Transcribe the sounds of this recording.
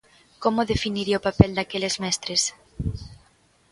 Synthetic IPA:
komoðefiniɾiopapɛld̪akelezmɛst̪ɾes

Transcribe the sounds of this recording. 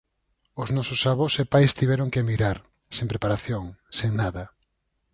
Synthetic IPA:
ʊznɔsʊsaβosepajst̪iβɛɾoŋkemiɾaɾ | sẽmpɾepaɾaθjoŋseŋnaðɐ

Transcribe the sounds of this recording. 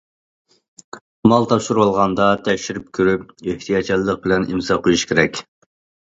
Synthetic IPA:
mɑlˠt̪ʰɑpʃuɾuɑlˠʁɑnd̪ɑt̪ʰɛkʲʃiɾyp̚kʲʰøɾyp̚eht̪ʰijɑt͡ʃʰillˠəq̚bɪlɛnʔḭmsɑqʰojuʃkʲʰeɾɛkʲ

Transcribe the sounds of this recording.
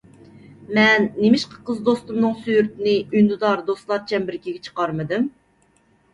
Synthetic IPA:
mɛnːemɪʃqʰə̥qʰəzd̪ost̪umnɨŋsyjyɾt̪ʰɪnɪynd̪ud̪ɑɾd̪oslˠɑɾt͡ʃʰɛmbɪɾkʲʰiɡʲɛt͡ʃʰə̥qɑɾmɨd̪ɨm

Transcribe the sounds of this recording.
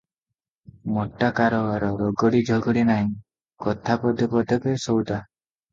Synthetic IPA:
mɔʈːakaɾɔaɾɔɾɔɡɔɽid͡ʒʱɔɡɔɽinaɦĩ | kɔt̪ʰapɔd̪ʱɔpɔd̪ʱɔkesɔwt̪a

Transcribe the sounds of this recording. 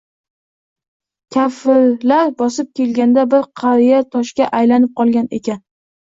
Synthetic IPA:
kʲʰafɪɾlaɾbɒsɪp̚kʲe̞lɡʲand̪abɪɾqʰɑɾijat̪ʰɒʃkʲaʔajlanɪp̚qʰɒlˠɡʲane̞̰kʲan

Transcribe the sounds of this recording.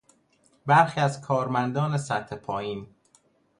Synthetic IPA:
bæɾxiːæzkʰɒːɾmænd̪ɒːne̞sæt̪ʰhe̞pʰɒːjiːn

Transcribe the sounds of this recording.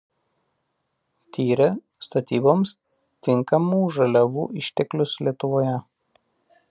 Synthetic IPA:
t̪ʲiːɾʲɛ | st̪ɐt̪ʲiːboːms | t̪ʲɪŋkɐmuːʒɐlʲɛʋuːʔɪʃʲt̪ʲɛklʲʊslʲiɛt̪ʊʋoːjɛ

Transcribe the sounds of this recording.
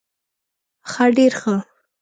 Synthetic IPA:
xaɖeɾxə

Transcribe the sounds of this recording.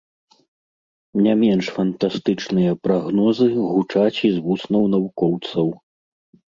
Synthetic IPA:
nʲamʲɛnʂfɐnt̪ast̪ɨt͡ʂnɨjɐpɾaɣnɔzɨɣut͡ʂat͡sʲizvusnɐwnɐvukɔwt̪sɐw

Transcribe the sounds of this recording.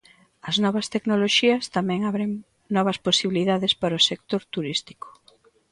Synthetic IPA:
ɐznɔβɐst̪eknoloʃiɐst̪amɛ̃ŋaβɾeŋ | nɔβɐsposiβiliðaðɪspaɾosek̚t̪oɾt̪uɾist̪i̥ko̥

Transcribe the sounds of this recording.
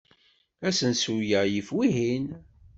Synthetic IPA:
æsənsujæjifwiɦin

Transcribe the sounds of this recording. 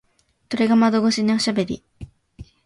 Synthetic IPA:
t̪oɾeɡamad̪oɡoɕiɲioɕabe̞ɾʲḭ

